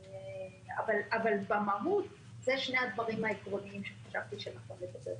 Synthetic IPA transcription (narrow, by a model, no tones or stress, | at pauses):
avalavalbamaɦut̪ | zeʃnead̪vaʁimhaekʁo̞niimʃeχḁʃavt̪iʃeanaχnomletabḛl